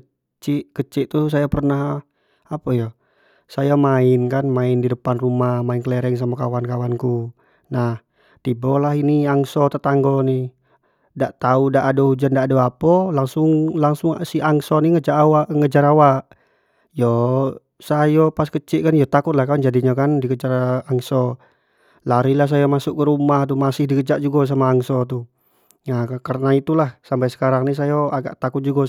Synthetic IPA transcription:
ə | t͡ʃiʔkət͡ʃiʔt̪us̬ajapərnaɦ | apəjɔ | sajamaɪnkanmaɪndidəpanrumahmainkəlɛɾɛŋs̬amakawankawanku | nah | t̪ibɔlaɦiniaŋsɔt̪ət̪aŋɡɔni | daʔt̪audaʔːdɔud͡ʒandaʔːdoapɔlaŋsʊŋlaŋsʊŋsiaŋsɔniŋəd͡ʒaʔwaʔŋəd͡ʒaɾawaʔ | jɔ | sajɔpaskət͡ʃiʔkanjɔt̪akʊt̪̚lahkand͡ʒadiɲakandikəd͡ʒaraŋsɔ | laɾilahs̬ajamasʊʔ̚kəɾumaht̪umasɪhdikəd͡ʒaʔd͡ʒuɡas̬amaːŋsɔt̪̬u | ŋakarənait̪ulahsampajsə̥kaɾaŋnis̬ajɔaɡa̰ʔt̪akʊt̪̚d͡ʒuɡa

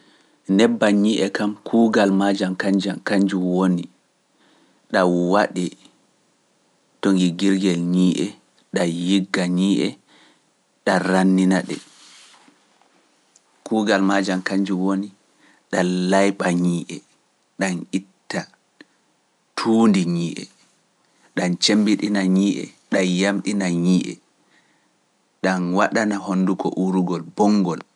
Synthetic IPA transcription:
nɛbːaɲiːʔɛkamkʰuːɡalmad͡ʒamkaɲd͡ʒamkaɲd͡ʒuwoni | ɗawaɗɛ | toŋɡiɡiɾɡɛlɲiːʔɛ | ɗajiɡːaɲiːʔɛ | ɗaɾanːinaɗɛ | kuːɡalmad͡ʒankaɲd͡ʒiwoni | ɗalajɓaɲiːʔɛ | ɗanitːa | tʰuːndiɲiːʔɛ̰ | ɗant͡ʃembiɗinaɲiːʔɛ̰ | ɗajamɗinaɲiːʔɛ̰ | ɗanwaɗanahonːdukɔ̰ʔuɾuɡɔlbɔŋɡɔl

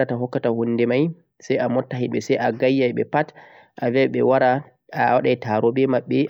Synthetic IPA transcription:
ataɦɔkːatahunːdɛmaj | sajamɔtːaɦiɓɛsajʔaɡajːajɓɛ̰pat | ʔavɛɓɛwaɾa | waɗajtaɾɔbɛmaɓːɛ

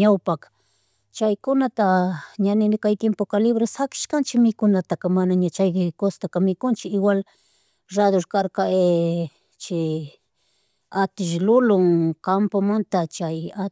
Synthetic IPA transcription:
ɲawpak | t͡ʃajkʊnat̪aɲanɪnɪkajt̪jempokalɪβɾasakɪ̥ʃkant͡ʃɪmɪkʊnat̪akamanaɲat͡ʃajd̪ɪkost̪akamɪkʊnt͡ʃɪɪwal | ɾad̪oɾkaɾkae | t͡ʃɪ | at̪ɪʃlʊlʊŋkampamant̪at͡ʃaja

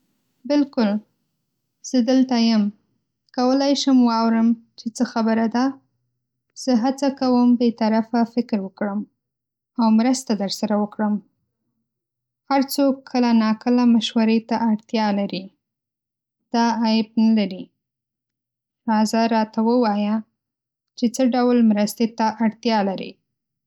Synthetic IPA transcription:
bɪlkʊl | z̥əd̪əlt̪ajəm | kawəlajʃəmwɑwɾəmt͡ʃet͡səxabəɾad̪a | z̥əɦat͡sakawəmbet̪aɾafafɪkɾwəkɽəm | awmɾəst̪ad̪əɾsaɾawəkɽəm | haɾt͡sokʰːəlanɑkəlamaʃwaɾet̪aʔaɽt̪jɑlaɾi | d̪̥ɑːjɪb̚nalaɾi | ɾɑzaɾɑt̪awəwɑja | t͡ʃet͡səɖawlmɾəst̪et̪aʔaɽt̪jɑlaɾḭ

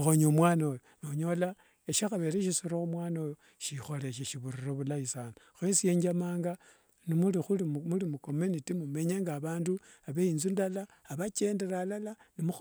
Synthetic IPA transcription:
xoɲomwaːnojonoɲo̞la | eʃaxaβe̞ɾeʃ̬isuɾoxumwaːnojo | ʃixo̞le̞ʃ̬eʃiβuriroβulaisano | xwensije̞ːɲd͡ʒamaːŋɡa | nimulixulimulimuko̞menitimume̞ɲeŋɡaβaːndu | aβeinzundalaːβat͡ʃe̞ːndeɾalalanimu

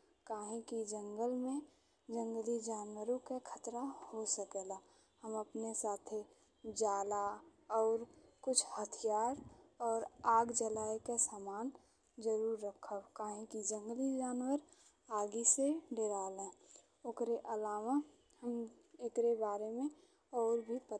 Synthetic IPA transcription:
kaːɦĩkid͡ʒə̃ŋɡəlmẽ | d͡ʒə̃ŋɡlid͡ʒaːnwəɾõkekʰət̪ɾahosəkɛla | həməpnesaːt̪ʰe | d͡ʒaːla | ɔːɾkʊt͡ʃʰhət̪ʰijaːɾɔːɾaːɡd͡ʒəlaːikasaːmaːn | d͡ʒəɾuːɾːəkʰəkaːɦĩkid͡ʒə̃ŋɡəlid͡ʒaːnwəɾ | aːɡiseɖʱeɾaːlẽː | okɾeʔəlaːma | həm | ekɾebaːɾemẽ | ɔːɾbʱipə

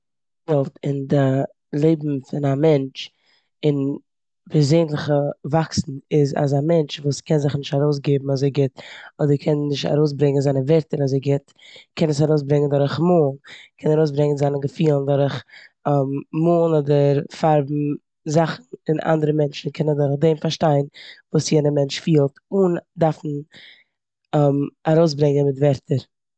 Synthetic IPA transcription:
dɔlˠtɪndə | lˠeɪbm̩fɪnamɛnt͡ʃ | ɪn | bɛzeɪnlˠɪχəvaksn̩ɪza̰zamɛnt͡ʃvuːskʰɛnzɪχnɪʃtaɾoʊs̬ɡeɪbm̩azeɪɡɪtɔdəɾkʰɛnnɪʃta̰ɾoʊs̬bɾɛŋənzaɪnəvɛɾtəɾazeɪɡɪt | kʰɛnəsaɾoʊsbɾɛŋəndɔɾɪχmoːlˠkʰɛnaɾoʊs̬bɾɛŋənzanəɡəfiːlˠəndɔɾəχammuːlˠnɔdəɾfaɾbm̩ | zaχn̩ɪnʔa̰ndəɾəmɛnt͡ʃn̩kʰɛnəndʊɾχdeɪmfaɾʃtaɪnvuːsjɛːnəmɛnt͡ʃfiːlˠtʊndaɾfn̩ | maɾoʊsbɾɛŋənmɪtvɛɾtʰəɾ

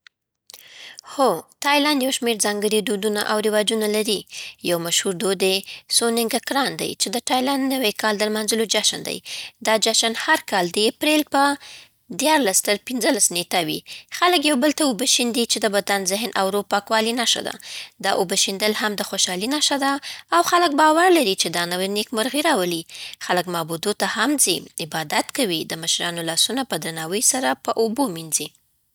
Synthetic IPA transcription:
xot̪ɑjlandjawʃmeɾzɑŋɡəɽid̪od̪una̰ʔawɾɪwɑd͡ʒunalaɾijawmaʃhuɾd̪od̪esonɪŋɡakɾɑnd̪a̰jt͡ʃed̪əʈɑjlanːəwejkɑld̪əlmanzəlod͡ʒaʃənd̪a̰jd̪ɑd͡ʒaʃanhaɾkɑld̪əjapɾelpə | d̪jɑɾlast̪əɾpɪnzəlasnetawḭxaləkjawbəlt̪aobəʃind̪it͡ʃed̪əbad̪anzɪɦnʔawɾopɑkwɑlinaʃa̰d̪a̰d̪ɑʔobəʃind̪əlhamd̪əxoʃɑlinaʃad̪aːwxalək̚bɑwaɾlaɾit͡ʃed̪ɑnawanekmʊɾɣiɾɑwəlixaləkmɑbud̪ot̪ahamziɪbɑd̪at̪kawid̪əməʃɾɑnolɑsunapəd̪ɾanɑwəjsaɾapəʔobominzi

